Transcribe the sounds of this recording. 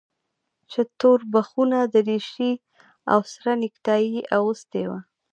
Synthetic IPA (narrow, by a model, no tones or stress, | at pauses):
t͡ʃet̪oɾbaxunad̪əɾeʃi | a̰wsɾanɪkt̪ɑjiawust̪ewa